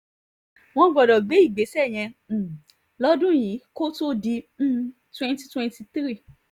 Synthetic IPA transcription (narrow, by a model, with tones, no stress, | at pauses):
w̃ɔ̃˧ɡ͡bɔ˨dɔ˨ɡ͡be˨˦i˦˨ɡ͡be˨˦sɛ˦˨j̃ɛ̃˧˨ | lɔ˦dũ˦˨j̃ĩ˨˦ko˦to˦dĩ˧˦˧ | twɛ̃˦nti˧twɛ̃˧nti˧t̪ɾi˦˨